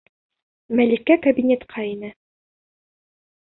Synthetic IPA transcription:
mælikːækɐbʲinʲet̪qʰɑinɘ

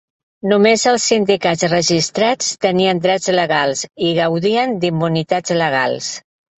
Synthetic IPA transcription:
numezəlˠsːind̪ikad͡zrəʒist̪ɾat͡st̪əniənd̪ɾɛd͡zləɣalˠsiɣəwðiənd̪imːunit̪ad͡zləɣ̞a̰lˠs

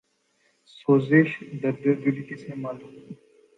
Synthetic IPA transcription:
soːzeʃd̪ɐɾd̪ɐbilit̪isemaːluːm

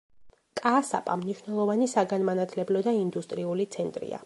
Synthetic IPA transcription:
kʼaːsa̰pʼamniʃnɛlˠɔvanisaɡanmanat̪ʰlɛblɔd̪aind̪ust̪ʼɾiulit̪sʰɛnt̪ʼɾḭa̰

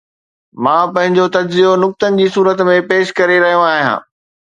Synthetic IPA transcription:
mãːpɐ̃ɦɪ̃ɲd͡ʑot̪ɐd͡ʑzijonʊk̚t̪ənɪ̆d͡ʑiːsuːɾət̪mẽpeːʃkɐɾeɾɐɦijõaːɦijã̰ː

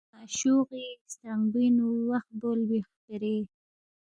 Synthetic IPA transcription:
aʃuɣist̪aŋbinuwaxt̪̚bolbixkaɾe

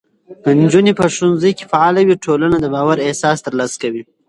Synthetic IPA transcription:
pənd͡ʒunipəʂt̪unzəjke̥faʕɑːlawiʈʰolanad̪əbɑːwaɾehsɑst̪əɾlɑsḁkawi

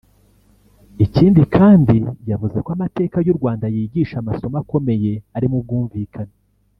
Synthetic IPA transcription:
iciːndikʰaːndijavuze̞kwamate̞ːkajuɾɡwaːndajiːɟiːʃamaso̞mako̞me̞je̞aɾimub̚ɡuːɱvikʰana

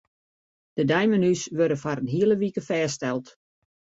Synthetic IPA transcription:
d̥ədɛjmənysʋørdəfaɾənɦiələʋikəfɛːstɛlˠt

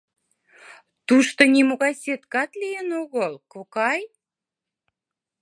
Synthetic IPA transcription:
t̪uʃt̪ŏnʲimoɣɑjsʲet̪kɑt̪lijenoɣəlkokɑj

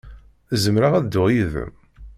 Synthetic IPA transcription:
zəmɾaʁæd̪ːʊʁjiðə̰m

